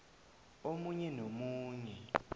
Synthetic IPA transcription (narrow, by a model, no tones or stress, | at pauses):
omuɲɛnomuːɲɛ